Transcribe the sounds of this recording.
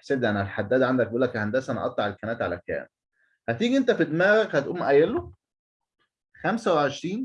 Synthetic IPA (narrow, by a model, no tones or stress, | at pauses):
ħseːt̪lænælħad̪ːæːd̪ʕand̪æk̚beʔulːækæhænd̪æsʔænæ̰ʔɑt̪ˤlɑʕelkænæːt̪ʕalækæ̰ːm | hæt̪iːɡiʔent̪æfid̪mæːɣækhæt̪ʔuːmːʔæjælːo | xæmsæweʕeʃɾiːn